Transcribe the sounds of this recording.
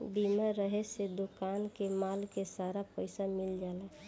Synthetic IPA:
bimaɾəɦesed̪okankemaːlkesaːɾapəɪsamɪld͡ʒaːlɛ

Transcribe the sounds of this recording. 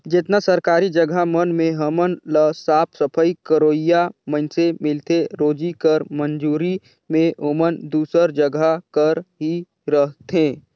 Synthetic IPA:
d͡ʒɪt̪nasəɾkaːɾid͡ʒəɡʱamənmẽɦəmənləsaːpʰsəpʰəikəɾoːijamənsemɪlt̪eɾoːd͡ʒikəɾmənd͡ʒuːɾi | mẽɦomənd̪uːsəɾd͡ʒəɡʱakəɾɦi | ɾəɦt̪ẽː

